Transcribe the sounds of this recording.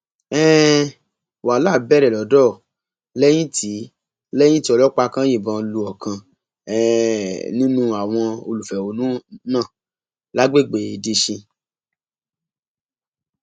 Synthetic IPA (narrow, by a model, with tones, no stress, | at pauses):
ɛ˦ | wa˨la˦˨bɛ˦ɾɛ˨lɔ˨˦dɔ˦˨ | lɛ˦j̃ĩ˦tʰi˨˦ | lɛ˦j̃ĩ˦ti˦ɔ˧lɔ˦k͡pa˧kã˦ji˦˨bɔ̃˧lu˧ɔ˨kʰã˧ | ɛ˦nĩ˦nũ˦a˨w̃ɔ̃˧o˧lu˨fɛ˨o˨˦nũ˦nãː˦˨ | la˨˦ɡ͡be˦˨ɡ͡be˨i˨di˧ʃĩ˧